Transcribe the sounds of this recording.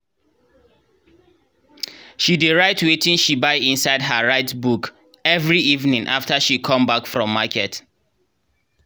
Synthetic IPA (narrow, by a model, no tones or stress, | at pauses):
ʃidiɹaɪtwetĩŋʃibaɪĩnsaɪdɦəɹaɪtbuk | ɛvɹiivnĩŋʔaftəʃikʰɔ̃mbakfɹɔ̃mːakʰɛt